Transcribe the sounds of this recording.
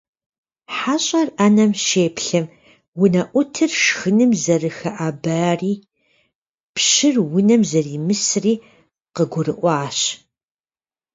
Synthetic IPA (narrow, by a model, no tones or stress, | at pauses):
ħaɕʼɐrʔɐnɐmʃeːpɬɐm | wʊnɐʔʷʊtʰɨrʃxɨnɨmzɐrɨxɐʔaːbaːriː | pʃɨrwʊnɐmzɐriːmɨsriː | qəɡʷʊrɨʔʷɑːɕ